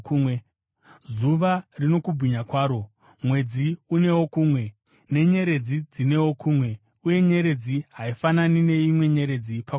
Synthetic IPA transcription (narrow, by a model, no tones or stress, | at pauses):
zuʋarino̞kubʱiɲakwaːɾo̞ | mwe̞d͡ziune̞wo̞kuːmwe̞ | ne̞ɲe̞ɾe̞d͡zid͡zine̞wo̞kuːmwe̞ | uje̞ɲe̞ɾe̞d͡ziɦaifananine̞imwe̞ɲe̞ɾe̞d͡zipa